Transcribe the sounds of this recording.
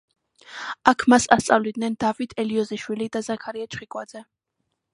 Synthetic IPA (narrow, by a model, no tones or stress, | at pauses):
akʰmasast̪sʼa̰vlid̪̚nɛnd̪avit̪ʰɛliɔziʃwilid̪azakʰaɾiɛt͡ʃχikʼwad̪zɛ